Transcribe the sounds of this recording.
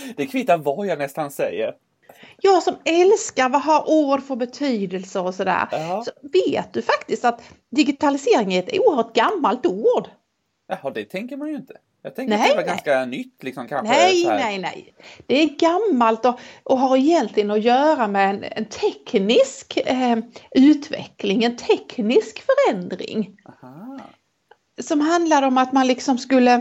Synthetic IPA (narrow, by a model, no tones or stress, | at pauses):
d̪̥ɛkʰvɪt̪ːaɾvɑjɑnɛst̪ansɛ̰jːə̰ɾ | jɑːɡsɔmɛlskaɾvaɦaɾuːɖfœɾbɛt̪ʰyːd̪əlsəɾɔsɔd̪æ̰ːɾsɔveːt̪̚d̪ɵfakt̪ɪst̪at̪d̪ɪɡɪt̪ʰalɪseːɾɪŋɪɛt̪ṵːəɾhœːɾʈɡamːalt̪uːɖ | jahɔd̪ɛt̪ʰɛŋkəɾmanjɵɪnt̪ʰə̥ | jɑ̰ːt̪ʰɛ̃ŋknɾɛaɡanskanʏt̪ːlɪksɔmkʰanɛjnɛjnɛ̰j | d̪̥ɛæɡamːalt̪ɔʔɔɦaɾɪjɛnt̪ʰlɪɡənɔjœːɾamɛɛnɛ̰nt̪ʰɛknɪsk | ʉ̟ːt̪vɛ̰klɪŋɛnt̪ʰɛknɪskfœɾɛnd̪ɾɪ̰ŋaha | sɔmɦand̪lad̪əɔmat̪manlɪksɔmskɵlːə